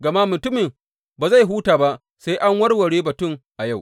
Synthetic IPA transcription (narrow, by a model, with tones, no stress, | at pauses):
ɡɐ˨ma˦mʊ˨tʊ˦mɪ˨m | baː˨za˦˨jɦuː˦taː˨ba˦ʔ | sa˦jʔa˦ŋwɐ˦rwɐ˨ɽeː˦bɐ˨tʊ˦˨ŋʔa˨ja˦˨w